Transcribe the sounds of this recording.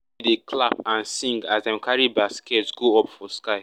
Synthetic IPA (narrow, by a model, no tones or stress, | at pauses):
dekʰlapãnsĩŋɡazdɛ̃mkʰaɹibaskɛtɡoɔpfɔskaɪ